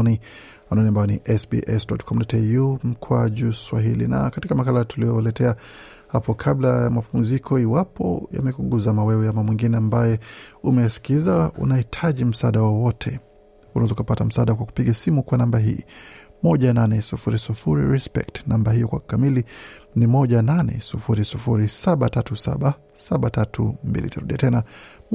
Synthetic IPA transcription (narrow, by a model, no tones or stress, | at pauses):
ni | wanɔniambajɔnḭʔɛsbḭʔɛsdɔtkʰɔm̩dɔtɛjum̩kʰwaʄuswaɦḭlḭna̰katikamakalatuliɔlɛtɛa | hapɔkʰablajamapum̩zikʰɔiwapʰɔ̰ja̰mɛkuɠuzamawɛwɛjamamwiŋɡinɛambajɛumɛjasi̥kizaṵnahitʰaʄim̩saɗawɔwɔtʰɛ | unazukapatam̩saːɗakwaku̥piɠasimukwanambaɦḭːmɔʄananɛsufuɾisufuɾḭɾɛspɛ̰ktnambaɦijɔkwakamilinimɔʄananɛ̰sufuɾisufuɾisaɓatatusa̰ɓa | saɓatatṵmbḭlḭtaɾuɗiatɛna